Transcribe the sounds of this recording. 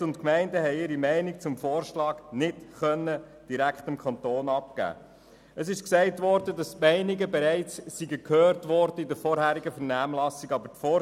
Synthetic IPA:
ʊntkmɛɪndəhɛɪɪɾimɛɪnik̚t͡sʊmfɔːɾʃlɑːɡ̥nɪtχœnːə | d̥iɾækχtɪmkʰχɑntoːnɑp̚kæ̰ː | əsɪʃksɛɪtʋɔɾd̥ədɑsmɛɪniɡəbɛɾɛɪt͡sːiɡəkʰhøːɾtʋɔɾdəɪdəɾfɔːɾhæːɾiɡəfəɾnæːmlɑsiɡɑbətfɔː

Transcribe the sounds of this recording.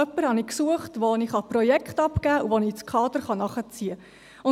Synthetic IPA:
œpːəɾhɑniksuəχtʋoniχɑprɔjɛkχtɑpkæːuʋonit͡skʰɑːd̪əɾχɑnɑχət͡siə | ʊ

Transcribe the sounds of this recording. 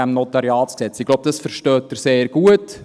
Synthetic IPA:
æmnɔtɑɾjɑːtsksɛt͡sɪɡ̥lowb̥̚dɑsfəɾʃtœːtːəɾseːrɡ̥uət

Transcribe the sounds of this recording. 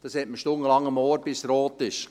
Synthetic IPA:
d̥ɑshɛt̚məʃtʊnəlɑŋːəmoːɾb̥ɪsɾoːt̪ɪʃ

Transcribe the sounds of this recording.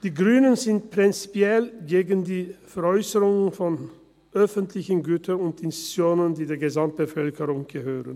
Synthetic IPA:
d̥iːɡʁyːnənzɪnt̚pʁ̥ɪnt͡si̥pjɛlɡeːɡəndiːfɛɐɔʏsəʁʊŋənfɔn | ʔœfəntʰlɪçən̩ɡyːtʰɐʊntɪnsi̥t͡sjoːnəndiːdeːɐɡəzamt̚b̥əfœlkəʁʊŋɡ̥əhøːʁən

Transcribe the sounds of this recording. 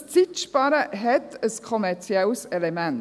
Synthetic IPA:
st͡sɪt͡ʃb̥ɑɾəɦɛt̪əskʰɔmɛɾt͡siɛlsɛlɛmɛn

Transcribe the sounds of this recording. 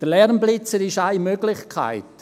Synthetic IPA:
d̥əlɛɾmblɪt͡səɾɪʃaɪmøɡlɪχkʰa̰ɪt

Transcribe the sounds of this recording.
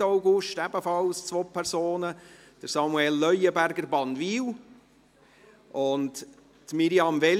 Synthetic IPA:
aʊɡʊʃtæb̥əfɑlst͡sʋoːpʰɛɾsoːnə | d̥əɾsɑmuɛlːœjəbæɾɡəɾbɑnviːl | ʔʊnt | tmiɾiɑmvɛ

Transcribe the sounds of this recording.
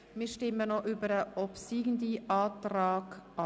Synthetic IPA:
miːɾʃtɪmənoʔybəɾəɔpsiːɡn̩diʔɑːtɾɑːɡ̥ʔɑ

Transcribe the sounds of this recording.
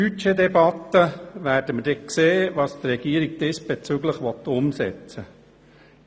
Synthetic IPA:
yedɛbɑt̪ːəʋæːɾd̥əməd̥ɛkseːʋɑːst̪ɾɛɡ̥iəɾiɡ̚d̥̪ɪsb̥et͡syɡləχʋɔt̪ːʊmsɛ̰t͡sə

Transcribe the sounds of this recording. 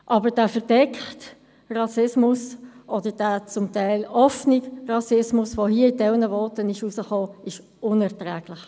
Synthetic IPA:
ʔɑbəd̥aːfəʁd̥ɛkχt | ʁɑsɪsmʊsʔɔd̥əd̥aːt͡sʊmtaɪlɔfnɪkrɑsɪsmʊsvohiəɪd̥ɛlnəvɔːtənɪʃusəχoːɪʃ | ʊnɛʁtʁɛːɡ̥lɪχ

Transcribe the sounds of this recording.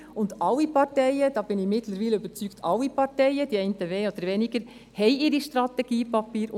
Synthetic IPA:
ʊndɑwipɑɾtɛɪəd̥ɑːb̥ɪnɪçmɪtləɾviːləybəɾt͡syktʰɑwːipɑɾtɛɪəd̥iɛɪntəʋeːod̥̪əɾʋɛnɪɡəɾ | hɛɪɪɾiʃtɾɑtɛɡ̥iːpɑpiːɾ

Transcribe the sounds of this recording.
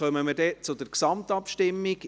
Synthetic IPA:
œməməɾdɛːt͡sʊd̪əɾksɑmt̪ɑpʃtɪmːiɡ

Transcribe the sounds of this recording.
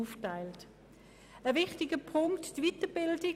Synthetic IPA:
uːftaɪlt | əvɪχtɪɡəpʰʊŋktːvitəbɪldɪ

